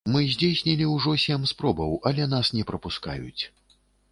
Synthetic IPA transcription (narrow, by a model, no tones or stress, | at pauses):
mɨzʲd͡zʲesʲnʲilʲiwʐɔsʲɛmspɾɔbɐwʔɐlʲɛn̪asnʲɛpɾɐpuska̰jṵt͡sʲ